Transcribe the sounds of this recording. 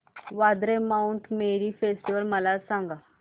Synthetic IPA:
ʋad̪ɾemauɳʈmeɾifesʈiʋəlməlasãŋɡa

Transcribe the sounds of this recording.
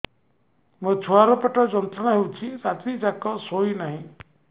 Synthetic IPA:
mə̃t͡ʃʰuaɾɔpɔʈɔd͡ʒɔnt̪ɾɔnaɦewt͡ʃʰisat̪ʰid͡ʒakɔsoinaɦĩ

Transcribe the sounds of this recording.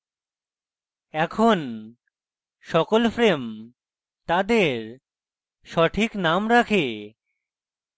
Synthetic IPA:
ɛkʰon | ʃɔkolfɾem | t̪ad̪eɾ | ʃɔʈʰiknamɾakʰe

